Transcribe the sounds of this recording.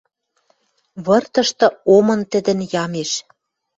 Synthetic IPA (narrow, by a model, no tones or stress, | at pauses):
βɤ̆rt̪ɤ̆ʃt̪ɤ̆omɤ̆nt̪ə̆d̪ə̆njɑmeʃ